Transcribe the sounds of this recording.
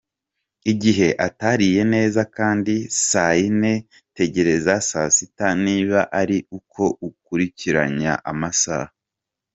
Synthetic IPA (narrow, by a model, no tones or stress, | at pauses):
iɟiɦe̞ʔataɾije̞ne̞ːzakaːndisaine̞ | te̞ɟe̞ɾe̞zasasitaniːβaʔaɾiukʰo̞ukuɾiciɾa̰ɲa̰ʔamasa̰ːha